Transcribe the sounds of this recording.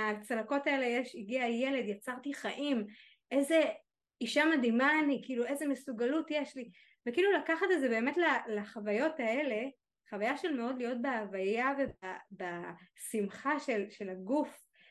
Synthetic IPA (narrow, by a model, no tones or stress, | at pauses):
at͡salako̞taelejeʃiɡiajele̞d̪jat͡saʁt̪iχaʔim | ʔe̞ze̞ | iʃamad̪imaːnikiluʔe̞zemesuɡalutjeʃli | vekiːlulakaχatedzebe̞ːme̞tlalaχavajo̞tae̞le̞ | χavajaʃelme̞o̞d̪lijo̞t̚beavajavebabasimχaʃe̞lʃe̞laɡuf